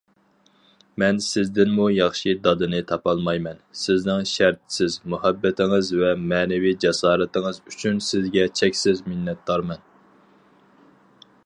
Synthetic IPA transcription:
mɛnsɪzd̪ɪnmujɑχʃid̪ɑd̪ɨnɨt̪ʰɑpɑlˠmɑjmɛnsɪznɪŋʃæɾt̪ʰɪ̥sɪzmuhæbːɛt̪ʰɪŋɨzvɛmɛːnɛvijd͡ʒɛsɑːɾɨt̪ɪŋɨzyt͡ʃʰynsɪzɡʲɛt͡ʃʰɛkʲsɪzmɪnːɛt̪̚d̪ɑɾmɛn

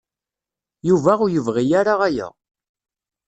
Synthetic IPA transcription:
juvæʊjəvʁijaɾaʁæjæ̰

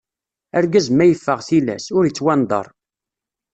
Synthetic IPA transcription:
æɾɡæzmæjəfːəʁθilæ̰sʊɾit͡sːwænd̪ˤɑ̰ɾˤ

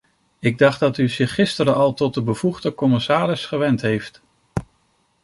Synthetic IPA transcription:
ɪɡ̚dɑχddɑtyzɪχːɪstəɾəɑlˠtɔt̚dəbəv̥uχdəkɔmɪsaːrɪsχəʋɛntɦejft

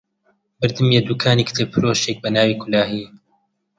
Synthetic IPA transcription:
bɨɾd̪ɨmjed̪uːkʰaːniːkʰt̪ʰepʰɨɾoʃek̚bɐnaːwiːkʰʊlaːɦiː

